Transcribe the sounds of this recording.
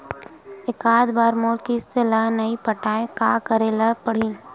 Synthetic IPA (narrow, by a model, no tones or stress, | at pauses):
ɪkaːd̪baːɾmoːlkiselanɐipəʈaːekaːkəɾeləpəɽ̤ĩ